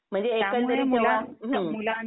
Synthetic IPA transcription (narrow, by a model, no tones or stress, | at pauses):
m̤əɳd͡zeːkənt̪əɾiːt̪eʋaɦə̃